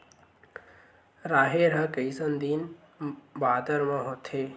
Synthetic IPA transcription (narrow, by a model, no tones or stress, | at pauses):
ɾaːɦeɾəkəisənd̪in | baːd̪əɾmãɦot̪ʰe